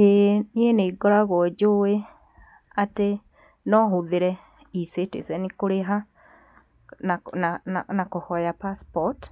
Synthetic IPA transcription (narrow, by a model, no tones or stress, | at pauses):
enieneiɡɔɾaɣwɔd͡ʒoe | ate | nɔɦuðeɾɛ | isetḛsɛnikoɾeɦa | nanaanakohɔjapaspɔt